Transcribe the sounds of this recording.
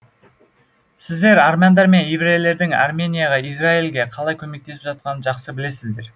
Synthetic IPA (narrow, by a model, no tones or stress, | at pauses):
sɪzd̪e̞ɾarmʲand̪ɑɾme̞njevɾejle̞ɾd̪ɪŋa̰rmʲe̞nʲijaʁɑisrailɡʲe̞qʰɑlˠɑjkʲʰɵme̞k̚t̪e̞sɪpʒɑt̪̚qɑnəʒɑqsəbɪle̞sɪzd̪e̞ɾ